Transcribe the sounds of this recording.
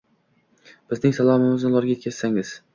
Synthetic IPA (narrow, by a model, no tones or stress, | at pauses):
b̥ɪznɪŋsalˠɒmɪmɪznɪlˠɒɾɡʲaet̪kʰʲaz̥saŋɪz̥